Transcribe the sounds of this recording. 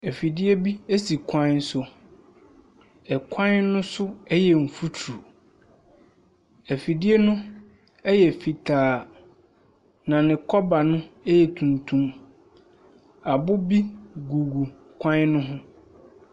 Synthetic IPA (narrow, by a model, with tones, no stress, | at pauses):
ɛ˨fi˨dɪ˦e˦bi˦e˦si˨kʷʰã˦sʊ˦ | ɛ˨kʰã˦nnʊ̃˦sʊ˦ɛ˦jɛ˨m̩˨fu˦tʰɾu˨ | æ˨fi˨di˦ɛ˦nʊ̃˦ | ɛ˦jɛ˨fi˨tʰaː˨ | nã˨nɪ̃˨kʰɔ˦ba˨nʊ̃˦ɛ˦jɛ˨tʰũ˨ntʰũ˦m | a˨bʊ˦bi˦ɡu˨ɡu˨ | kʰʷã˦nnʊ̃˦ɦʊ̃˦